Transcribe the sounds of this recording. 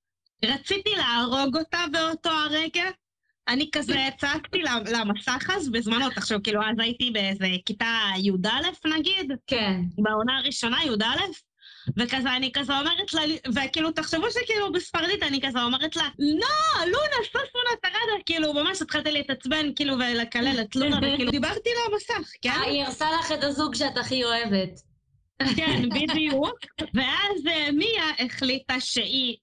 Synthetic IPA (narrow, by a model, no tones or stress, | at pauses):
ʁat͡sit̪ilaːʁo̞ɡo̞tabe̞oto̞aʁeɡa | anikazet͡sakt̪ilalamasaχazbezmano̞t̪aχʃuvkiːluazajit̪ibeezekitajud̪ale̞fnaɡid̪kebao̞naːʁiʃo̞najud̪ale̞f | vekazeanikazeo̞me̞ʁetlalvekiːlut̪aχʃevuʃekiːlubisfaʁd̪it̪anikazeo̞meʁetlanolunasoslunataʁad̪akiːlumamaʃat̪χalt̪iliet̪at͡smenkiːluvelekalelet̪lunaveiːlud̪ibaʁt̪ilamasaχkeniiʁsalaχet̪azuɡʃeataχioevet̪ | kenbidiukve̞ʔazmiaʔeχlit̪aʃe̞i